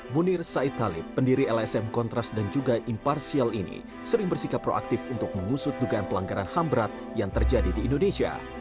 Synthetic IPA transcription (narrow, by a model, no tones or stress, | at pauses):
munɪrsait̪ːalɪpːəndiɾiɛlɛsɛmkɔnt̪ɾasdand͡ʒuɡaʔimparsialinḭ | səɾɪŋbərsikapːɾo̰ʔa̰k̚t̪ɪfunt̪ʊk̚məŋusʊt̪̚duɡaanpəlaŋɡaɾanhambɾat̪̚ | jaŋt̪ərd͡ʒadidiːndonesia̰